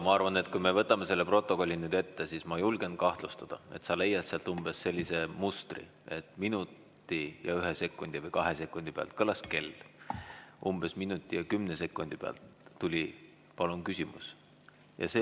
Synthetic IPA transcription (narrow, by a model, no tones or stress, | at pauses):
mɑɑrvɑne̞t̪kujmevɤt̪ːˑɑme̞se̞lːepro̞t̪ːˑo̞ko̞lʲːinyːd̪e̞t̪ːe̞sismɑjulɡ̥e̞nkɑht̪lust̪ɑd̪̥ɑe̞t̪sɑle̞jːɑt̪seɑlt̪umb̥e̞sːe̞lʲːise̞must̪rḭ | e̞t̪ːˑminut̪ːˑ | ijɑ̰yɦese̞kːˑund̪̥ivɤjkɑɦese̞kːˑund̪̥ipeɑ̰lt̪̚kɤlɑske̞l | ʔumb̥e̞sminut̪ʲːˑijɑkymnese̞kːˑund̪̥ipeɑ̰lt̪ːulʲi | pɑlunkysʲimṵs | jɑ̰seː